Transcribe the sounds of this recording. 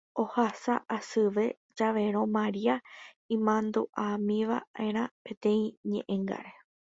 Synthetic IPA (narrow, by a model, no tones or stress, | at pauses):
ohasaʔasɨʋe̞ | d͡ʒaʋe̞ɾ̃õ̞maɾia | ĩmãnd̪uʔamĩʋa̰ʔe̞ɾ̃ãpẽ̞t̪ẽ̞ĩɲẽ̞̰ʔẽŋɡa̰ɾe̞